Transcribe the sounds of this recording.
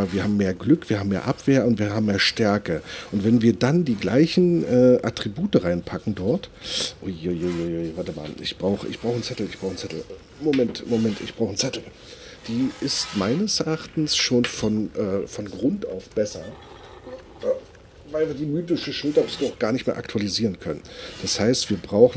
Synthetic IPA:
ɐviːɐhaːbm̩mːeːɐɡlʏkv̥iːɐhaːbm̩eːɐʔapv̥eːɐʊntv̥iːɐɦaːbm̩mːeːɐʃtɛɐkəʔʊntv̥ɛnviːɐdandiːɡla̰ɪçn̩ʔɛːʔa̰tʁ̥ibuːtəʁaɪnpʰakŋ̩dɔɐtʔʊʊojʊjʊjvaɐtəma̰ːlʔɪ̰çb̥ʁaʊxəʔɪ̰çb̥ʁaʊxən̩t͡sɛtl̩ɪçb̥ʁaʊxən̩t͡sɛtl̩ | momɛntmomɛntʔɪ̰çb̥ʁaʊxən̩t͡sɛtl̩ | d̥iːɪstmaɪnəsʔɛɐɐʔaχtn̩sʃoːnfɔnʔɛːfɔnɡʁʊnta̰ʊfb̥ɛsɐ | ʔː | vaɪlviːɐdiːmyːtɪʃəʃʊltɐʊsdɔʊxɡ̥aːɐnɪçtmeːɐʔaktʰualiziːʁənkʰœnənd̥ashaɪstv̥iːɐbʁaʊxn̩

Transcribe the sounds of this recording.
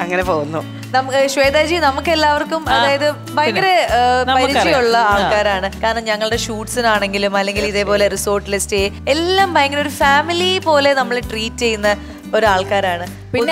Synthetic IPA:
ɐŋːɐnepoːɣunːo | nɐmkɕʋe̞ːd̪aːd͡ʑinɐmukːe̞lːaːʋɐrkːumɐðaːjɐðɨ | bɐjŋɡɐɾepɐɾit͡ɕːijuɭːɐaːɭkaːɾaːɳɨkaːɾɐɳɐmɲɐŋːɐɭɨɽe̞ɕuːʈsinaːɳe̞ŋɡilumɐlːe̞ŋɡiliðe̞ːpo̞ːle̞riso̞ːrʈːilesteelːaːmbʱɐjŋɡɐɾoɾufaːmilijpo̞ːle̞nɐmːɐɭeʈriːtːe̞junːɐ | o̞ɾuaːɭkaːɾaːɳɨ | pi

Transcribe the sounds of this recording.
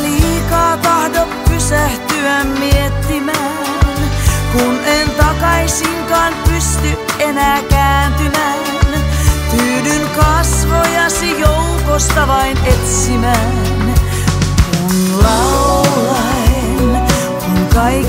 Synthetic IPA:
liːkɑːt̪ɑhdopːysæht̪yæmmiet̪ːimæː | nkunent̪ɑkɑisiŋkɑːnpyst̪yenæːkæːnt̪ymæ | nt̪yːdynkɑsʋojɑsijoukost̪ɑʋɑinet̪simæː | n | kunlɑulɑ | e | n | kuŋkɑik

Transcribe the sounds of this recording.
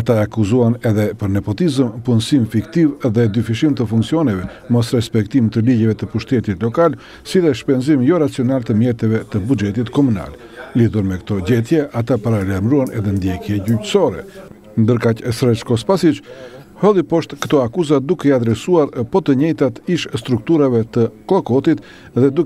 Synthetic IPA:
at̪aɛakuzuanɛðɛpəɾnɛpɔt̪izəmpunsimfikt̪ivðɛd̪yfiʃimt̪əfuŋksiɔnɛvɛ | mɔsɾɛspɛkt̪imt̪əliɟɛvɛt̪əpuʃt̪ɛt̪it̪lɔkal | siðɛʃpɛnzimjɔɾat͡siɔnalt̪əmjɛɾt̪ɛvɛt̪əbud͡ʒɛt̪̬it̪kɔmuna̰l | liðuɾmɛkə̥t̪ɔɟɛt̪jɛʔat̪apaɾalaɾmɾuanʔɛ̰ðɛnd̪jɛkjɛɟycsɔɾɛ̰ | nd̪əɾkacɛsɾɛt͡ʃkɔspasit͡ʃ | hɔlˠipɔʃt̪kə̥t̪ɔakuzad̪ukɛiad̪ɾɛsuaɾpɔt̪əɲɛjt̪at̪iʃst̪ɾuk̚t̪uɾavɛt̪əklˠɔkɔt̪it̪ | ðɛd̪uk

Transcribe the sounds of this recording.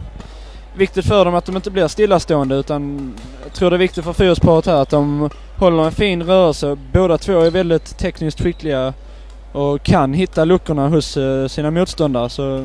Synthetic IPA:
vɪk̚t̪ɪt̪fœɖɔmat̪̚d̪ɔmɪnt̪əblɪɾst̪ɪlːast̪oːənd̪əʉ̟ːt̪an | jɑɡt̪ʰɾuːɖɛːvɪkt̪ɪt̪fœɾfyːəspʰɑːɾət̪hæːɾat̪̚d̪ɔm | hɔlːəɾɛnfiːnɾœːɾəlsəboːd̪at̪ʰvoːæɾvɛld̪ɪt̪ʰːɛknɪskt̪ɧɪklɪɡa | ʔɔkʰanɦɪt̪ːalɵkːʊɳaɦʊsːiːnamuːt̪st̪ɔnd̪aɾəsɔ

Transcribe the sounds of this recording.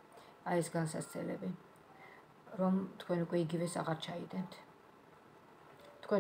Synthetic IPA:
aɛsɡansast̪sʰɛlɛbi | ɾɔmt̪ʰkʰwɛnukʼwɛiɡivɛsa̰ʁaɾt͡ʃʰaid̪ʼɛnt̪ʰ | t̪ʰkʰwɛ

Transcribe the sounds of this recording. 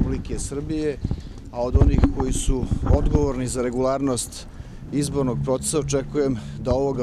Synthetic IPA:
ublikesr̩bije̞ | ao̞d̪o̞nixko̞jisuod̪ɡo̞ʋoɾnizaɾe̞ɡulˠaːɾno̞st̪ | izbo̞ɾno̞ɡ̚pɾo̞t̪e̥saot͡ʃekuje̞md̪ao̞ʋo̞ɡa

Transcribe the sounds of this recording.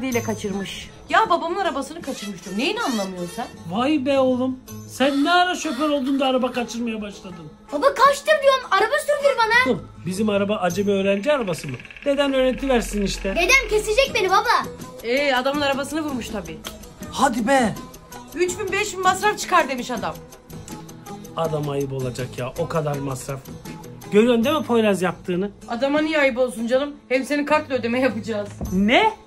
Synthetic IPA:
d̪ijlʲɛkʰat͡ʃʰɯɾmɯʃ | jaːbabamɯnaɾabasɯnɯkʰat͡ʃʰɯɾmɯʃt̪ʰumnejinanlˠamɯjo̞ɾsanvajɯbɛolˠumsænːɛaɾaʃø̞pøɾo̞lˠd̪und̪aːɾabakat͡ʃʰɯɾmajabaʃlˠad̪ɯm | babakʰaʃt̪ɯɾd̪ɯjoɾmaɾabasyɾd̪iɾbanam | bizimaɾabaʔad͡ʒemɛø̞ːɾænd͡ʒiaɾabasɯmɯ | ne̞d̪ænøːɾɛt̪ʰivæɾsiniʃt̪ʰɛned̪ænce̞sed͡ʒɛc̚benibabaɛad̪amlˠaɾabasɯnɯvuɾmuʃt̪ʰabiː | had̪ibɛ | yt͡ʃbinbɛʃbinmasɾaft͡ʃʰɯ̥kaɾd̪e̞miʃad̪am | ad̪amajɯpo̞lˠad͡ʒakjaːʔo̞kʰad̪aɾmasɾafɟ̥øɾyønd̪emɛpʰo̞jɾazjap̚t̪ʰɯːnɯad̪amanijajɯp̬o̞lˠsund͡ʒanɯmhɛpse̞nikʰaklˠɯød̪e̞mɛjapɯd͡ʒaːz̥nɛ

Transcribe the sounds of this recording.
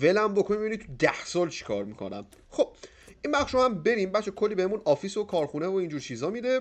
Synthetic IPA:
velæmbokʰonimbeinit̪ʰud̪æhsɒːlt͡ʃʰi̥kʰɒ̰ːɾmikʰo̞̰næ̰m | xo̞b̥̚ | ʔinbæχʃɾohæmbe̞ɾimbæʃekʰolːiːbehe̞munɒːfisokʰɒːɾxunevoind͡ʒuːɾt͡ʃʰizɒːmid̪e

